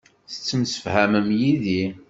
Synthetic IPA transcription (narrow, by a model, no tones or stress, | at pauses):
θə̥t͡sːəmsə̥fhæməmjiði